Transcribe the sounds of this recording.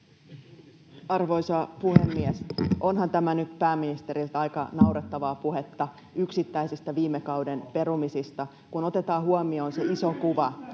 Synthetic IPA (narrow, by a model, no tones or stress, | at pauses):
ɑrʋo̞jsɑpuhemːiɛsʔo̞nɦɑnt̪æmænyt̪pæːmːinist̪e̞ɾilt̪ɑjkɑ̰nɑwret̪ːɑʋɑːpuɦe̞t̪ːɑ | yksit̪ːæisist̪æʋiːmːekɑwde̞npe̞ɾumisist̪ɑ | kuno̞t̪e̞t̪ɑːɦuɑmio̞ːnse̞iso̞kuʋɑ